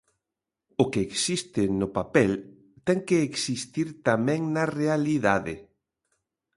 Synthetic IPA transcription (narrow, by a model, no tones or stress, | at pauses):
ʊkeːksist̪ɪnʊpapɛl | t̪ɛŋkeːksist̪iɾt̪amɛ̃ŋnɐrealiðaðɪ̰